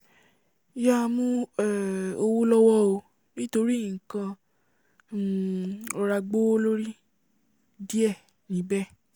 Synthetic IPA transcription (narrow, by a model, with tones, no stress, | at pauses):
ja˦˧mũ˦ɛ˦˨o˧wo˦lɔ˦wɔ˦o˧ | nĩ˦to˧ɾi˦ĩ˨kã˧˦ | ɔ˧ɾa˧ɡ͡bo˦lo˦ɾi˦ | di˦ɛ˦˨ | nĩ˨˦bɛ˦